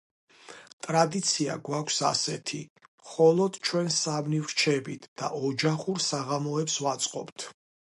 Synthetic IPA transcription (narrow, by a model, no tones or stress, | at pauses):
t̪ʼɾad̪it̪sʰia̰ɡwakʷʰsa̰sɛt̪ʰiχɔlˠɔd̪̥t͡ʃʰwɛnsamniwɾt͡ʃʰɛbit̪ʰd̪̥a̰ʔɔd͡ʒaχuɾsaʁamɔɛpswat̪sʼqʼɔpt̪ʰ